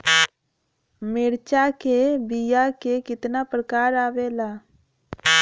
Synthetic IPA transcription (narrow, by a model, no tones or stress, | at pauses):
mɪɽt͡ʃakebijakekɪt̪napɾəkaːɾaːwelaː